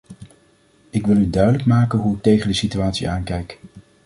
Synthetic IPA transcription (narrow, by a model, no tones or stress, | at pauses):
ɪkʋɪlˠydœɥdələkmaːkənɦuɪk̚tejχəndəsityaːtsḭʔaːnkɛjk